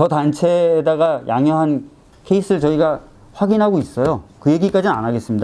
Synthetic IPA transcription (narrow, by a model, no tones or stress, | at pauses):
t͡ɕʌtant͡ɕʰe̞ːdaɡajʔaŋjʌɦan | kʰeis͈ʰɯɭt͡ɕʌiɡa | ɸwaɡinɦaɡois͈ʌjokɯje̞ɡik͈ad͡ʑinanaɡe̞s͈ɯmɲida